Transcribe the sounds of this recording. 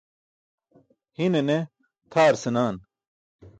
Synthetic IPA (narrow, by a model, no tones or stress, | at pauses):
hinene | t̪ʰaːɾsenaːn